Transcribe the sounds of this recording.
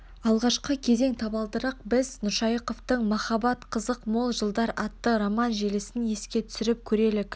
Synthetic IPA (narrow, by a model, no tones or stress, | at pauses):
ɑlˠʁɑʃqəkʲʰe̞ze̞ŋt̪ʰɑbɑlˠd̪əɾɑq̚bɪznʊʃɑjəqo̞ft̪əɴmɑχɑbɑt̪qʰəzəqmo̞lˠʒəlˠd̪ɑɾɑt̪ːəɾomɑnʒelɪsɪnje̞skʲe̞t̪ʰʏ̥sɪɾɪp̚kʲʰɵɾe̞lɪk